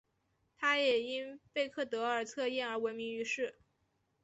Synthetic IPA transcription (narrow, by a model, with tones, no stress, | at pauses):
t̪ʰa˥jɛ˨˩i˥npe˥˧ɪkʰɤ˥˩t̪ɤ˧˥ə˞˨˩t͡sʰɤ˥˧i˥˩nə˞˧˥wɪmi˧˥ŋy˧˥ʂɻ̩˥˩